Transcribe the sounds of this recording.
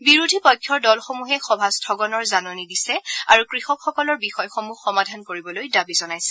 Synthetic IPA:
biɹudʱipɔjkʰːɔɹdɔlxomuɦɛxɔbʱastʰɔɡɔnɔɹzanonidisɛaɹukɹixɔkxɔkɔlɔɹbixɔjxomuxːɔmadʱankoɹibɔlojdabizɔnajsɛ̥

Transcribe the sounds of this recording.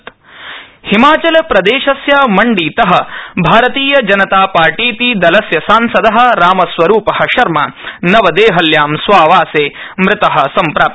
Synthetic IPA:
t̪ | himaːt͡ʃɐlɐpɾɐd̪eːʃɐsjaːmɐɳɖiːt̪ɐɦɐ̆bʱaːɾɐt̪iːjɐd͡ʒɐnɐt̪aːpaːɾʈiːt̪id̪ɐlɐsjɐsaːnsɐd̪ɐɦɐ̆ɾaːmɐsʋɐɾuːpɐhɐʃɐɾmɐ̰nɐʋɐd̪eːɦɐljaːmsʋaːʋaːseː | mɾɪt̪ɐɦɐ̆sɐmpɾaːp

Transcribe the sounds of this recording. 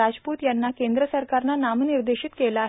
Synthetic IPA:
ad͡zpuːt̪janːakend̪ɾəsəɾkaɾnanamniɾd̪eɕit̪kelaːɦ

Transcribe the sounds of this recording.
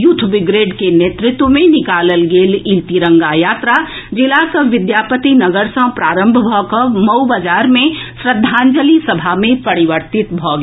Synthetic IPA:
jʊt̪ʰbɪɡɾeːɖkeneːt̪ɾɪt̪wəmẽnɪkaːləlɡeːlĩlt̪iɾə̃ŋɡajaːt̪ɾa | d͡ʒɪlakəʋɪd̪jaːpət̪inɐɡəɾsə̃pɾaːɾə̃mbʱbʱɔːkəmɐbad͡ʒaːɾmẽsɾəd̪ʱːãːɲd͡ʒəlisɐbʱamẽpɐɾɪʋəɾt̪ɪt̪bʱɔːɡ

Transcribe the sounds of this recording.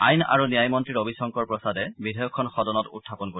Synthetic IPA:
a̰jna̰ɹunijajmɔntɹiɹobisɔŋkɔɹpɹɔsadɛbidʱajɔkʰːɔnxɔdɔnɔtṵtʰːapɔnkoɹi

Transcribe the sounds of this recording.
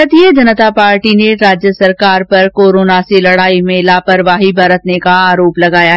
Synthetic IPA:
ət̪iəd͡ʒɐnət̪apaːɾʈineɾaːd͡ʒjəsɐɾkaːɾpɐɾkoːɾoːnaselɐɽaːimẽlaːpəɾʋaːɦibɐɾət̪nekaaːɾoːplɐɡaːjaɦ

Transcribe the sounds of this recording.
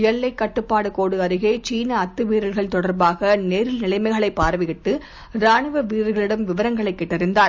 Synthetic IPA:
jɐlːɐɪkːɐʈːɯpːaːɽɯkoːɽɯɐɾɯɣeːt͡ʃiːnɐːt̪ːɯʋiːɾɐɾɣɐɭt̪ɔɽɐɾbaːɣɐneːɾɪlnɪlɐɪmɐɪɣɐɭɐɪpːaːɾʋɪɣɪʈːɯ | ɾaːɳɯʋɐʋiːɾɐɣɐɭɪɽɐmʋɪʋɐɾɐŋɡɐɭɐɪkːɛʈːɐɾɪnd̪aː

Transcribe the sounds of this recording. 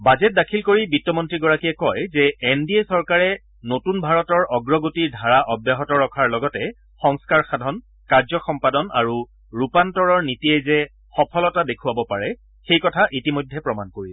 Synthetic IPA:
bazɛt̚dakʰilkoɹibitːɔmɔntɹiɡɔɹakijɛkɔjzɛendiesɔɹkaɹɛ | notunbʱaɹɔtɔɹʔɔɡɹɔɡotiɹdʱaɹaʔɔbjaɦɔtɔɹɔkʰaɹlɔɡɔtɛ | xɔŋskaɹxadʱɔn | kaɹzɔxɔmpadɔna̰ɹu | ɹupantɔɹɔɹnitiɛzɛ | xɔpʰɔlɔtadekʰuwabɔpaɹɛ | xejkɔtʰaʔitimɔjdʱːɛpɹɔmankoɹilɛ

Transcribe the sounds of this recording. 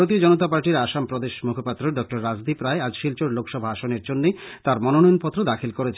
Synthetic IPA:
ot̪iod͡ʑɔnot̪apaɾʈiɾaʃampɾod̪eʃmukʰopat̪ːɾoɖɔk̚ʈoɾːad͡ʑd̪ipɾaead͡ʑʃilt͡ɕoɾlokʃɔbʱaaʃoneɾd͡ʑonːet̪aɾmɔnonɔjonpɔt̪ːɾod̪akʰilkoɾet͡ɕʰ

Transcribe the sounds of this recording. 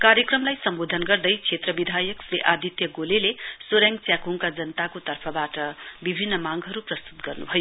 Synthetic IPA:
kaɾjʌkrʌmlajsʌmbod̪ʱʌnɡʌrd̪ʌjt͡sʰet̪rʌbid̪ʱajʌkɾeʔad̪ʱit̪jʌɡolelesoɾjaŋ̚t͡sjakuŋkad͡zʌnət̪akot̪ʌrpʰʌbaʈʌbibʱinːʌmaŋɡɦʌɾuprʌst̪u̥t̪ɡʌrnubʱʌjo

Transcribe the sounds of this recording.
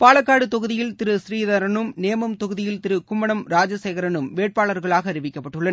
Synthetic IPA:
paːlɐkːaːɽɯt̪ɔɣɯðɪjɪlt̪ɪɾɯsɪɾiːðɐɾɐnɯmneːmɐmt̪ɔɣɯðɪjɪlt̪ɪɾɯkʊmbɐɳɐmɾaːd͡ʒɐsɛːɣɐɾɐnɯmʋeːʈ̚paːɭɐɾɣɐɭaːɣɐːɾɪʋɪkːɐpːɐʈːɯɭːɐnɐ

